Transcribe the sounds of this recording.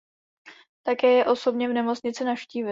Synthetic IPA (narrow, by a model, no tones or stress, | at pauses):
t̪akɛːjɛʔo̞so̞bɲɛvnɛmo̞t͡sɲɪt͡sɪnafʃciːvɪ